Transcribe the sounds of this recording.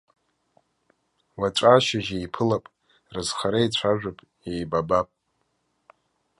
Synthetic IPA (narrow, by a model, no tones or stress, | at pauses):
waʈ͡ʂʷʼaʃaʒejpʰɨlapʼ | rɨzχaɾajt͡ɕʷʰaʒᶣʷapʼ | jejbabapʼ